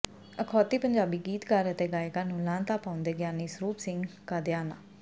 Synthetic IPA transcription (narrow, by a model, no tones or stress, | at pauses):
əkʰɔːt̪iːpəɲd͡ʒaːbiːɡiːt̪kəɾət̪eːɡaːeɡaːnũːlãːnt̪aːpaːʊ̃nd̪eːɡɪjaːniːsɾuːpsɪ̃ŋɡkaːd̪ɪjaːna̰ː